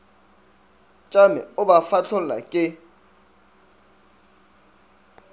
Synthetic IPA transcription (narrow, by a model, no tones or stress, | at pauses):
t͡ʃʼamɛ̰ʊbafat͡ɬʰʊlla̰kʼɪ